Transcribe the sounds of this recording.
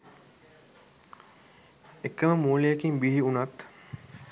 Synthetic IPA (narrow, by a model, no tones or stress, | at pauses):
ekːəməmuːlejekimbiɦiunat̪